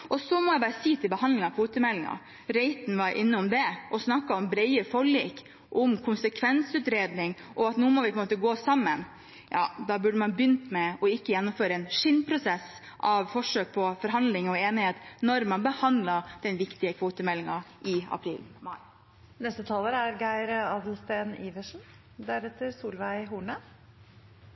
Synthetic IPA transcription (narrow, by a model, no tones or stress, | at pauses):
ʔɔsɔmɔjæɪbɑːɾəsiːt̪ʰɪlbəhɑnd̪lɪŋɑkʰʋuːt̪əmɛlːɪŋɑ̰ | ɾɛɪt̪n̩ʋɑɾʔɪ̰nːəɔmd̪ɛʔɔsnɑkːɑɔmbɾɛɪəfɔɭiːk | ʔɔmkʰʊnsəkʰʋɛnsʉːt̪ɾeːd̪nɪŋʔɔɑt̪nuːmɔʋɪpʰɔɛəmoːt̪əɡoːsɑmːən | jɑ̰ːd̪ɑbʉɖəmɑnbjʏnt̪mɛɔɪkːəjɛnːʊmføːɾəɛnʂɪnːpʰɾʊsɛs | ʔɑʋfɔʂøːk̚pʰɔfɔɾɦɑnd̪lɪŋɔeːnɪheːt̪nɔɾmɑnbəhɑnd̪ləd̪̥ɛnʋɪkt̪ɪəkʰʋoːt̪əmɛlːɪŋɑ | ɪɑ̰pʰɾḭːl | nɛst̪ət̪ʰɑːləɾæɾɡæɪɾɑːd̪əl̩st̪eːniːʋəʂn̩ | d̪æɾɛt̪ːəɾsuːlʋæɪɦuːɳə